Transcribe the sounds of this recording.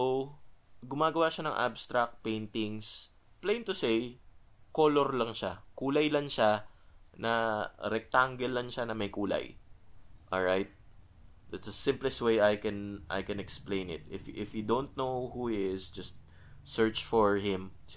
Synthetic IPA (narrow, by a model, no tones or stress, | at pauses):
ow | ɡʊmaːɡɐwaʃanɐŋʔa̰bst̪ɾɐk̚t̪̚pẽjnt̪ɪŋs | plej̃nt̪ʊsej | koloɾlɐŋʃakuːlɐjlɐŋʃanɐɾɛk̚t̪aŋɡɛlːɐŋʃanɐmɐjkuːlɐ̰j | ʔolɹajt̪̚ | d̪at̪sɐsɪ̃mplɛst̪wejajkɛnʔa̰jkɛnɛksplẽjnɪ̰t̪̚ɪfʔɪfjud̪ont̪̚nowhuɪtɪsd͡ʒɐst̪̚ | sɛɹt͡ʃfɔɹɦɪ̃ms